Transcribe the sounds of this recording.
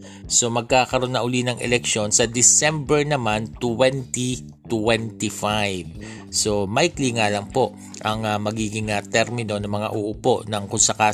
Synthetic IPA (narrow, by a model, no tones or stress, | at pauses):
so̞mɐɡ̚kaːkɐɾo̞nːɐʔʊlinɐŋʔɛ̰lɛkʃo̞nsɐd̪ɪsɛmbɛɹnɐmant̪wɛnt̪i | t̪wɛnt̪ɪfajv | so̞majkliŋaːlɐŋpo̞ʔ | ʔɐŋɐmɐɡiːɡɪŋɐt̪ɛɾmɪno̞nɐmɐŋa̰ʔʊʔʊpo̞ʔnɐŋkʊnsɐkaː